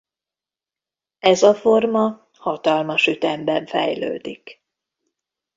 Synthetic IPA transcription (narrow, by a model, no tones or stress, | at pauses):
ɛzɒfo̞rmɒ | hɒt̪ɒlmɒʃyt̪ɛmbɛɱfɛ̰jlø̰ːd̪ik